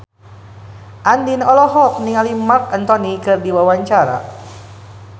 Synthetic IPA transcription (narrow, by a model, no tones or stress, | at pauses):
ʔandinɔlɔɦɔk̚niŋalimak̚ant̪ɔnikɨrdiwawaɲt͡ʃaɾa̰